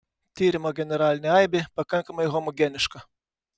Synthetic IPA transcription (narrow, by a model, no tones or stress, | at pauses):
t̪ʲiːɾʲɪmoːɡʲɛnʲɛɾɑːlʲɪnʲɛɑɪbʲepɐkɐŋkɐmɐɪɦɔmɔɡʲɛnʲɪʃkɐ